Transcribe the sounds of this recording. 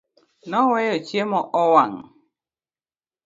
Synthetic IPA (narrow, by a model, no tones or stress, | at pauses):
nɔwɛjɔt͡ʃiemɔʔɔwaŋ